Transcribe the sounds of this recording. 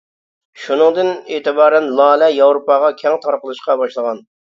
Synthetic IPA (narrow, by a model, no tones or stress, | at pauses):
ʃunɨŋd̪ɨneːt̪ɨbɑːɾɛnlˠɑːlɛjɑwɾopɑʁɑkʲʰɛŋt̪ʰɑɾqəlˠɨʃqɑbɑʃlˠəʁɑn